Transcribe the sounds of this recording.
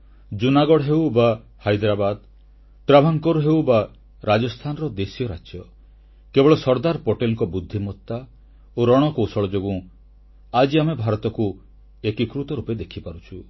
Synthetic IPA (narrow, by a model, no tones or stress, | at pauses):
d͡ʒunaɡɔɽɦewba | hajd̪ɾabad̪ | ʈɾabʱaŋkɔɾuɦewba | ɾad͡ʒɔst̪ʰanɔɾɔd̪esijɔɾa̰t͡ʃjɔ | kebɔɭɔsɔɾd̪aɾpoʈelŋkɔbud̪ʱːimɔt̪ːa | oɾɔɽ̃ɔkowsɔɭɔd͡ʒoɡũ | ad͡ʒiamebʱaɾɔt̪ɔku | ekikɾut̪ɔɾuped̪ekʰipaɾut͡ʃʰu